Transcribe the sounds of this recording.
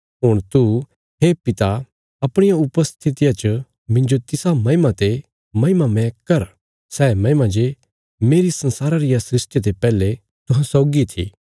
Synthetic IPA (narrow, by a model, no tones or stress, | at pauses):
ɦʊɽ̃t̪u | ɦeːpɪt̪a | ɐpɽ̃ɪjaʊpəst̪ʰɪt̪ɪjat͡ʃə | mɪ̃nd͡ʒot̪ɪsamɐɪmat̪e | mɐɦɪmamɛ̃kɐɾ | sɛːmɐ̃ɦɪmãd͡ʒe | meːɾisɐ̃nsaːɾaɾɪjasɾɪsʈjet̪epɛːle | t̪ʊɦãsɔːɡit̪ʰḭː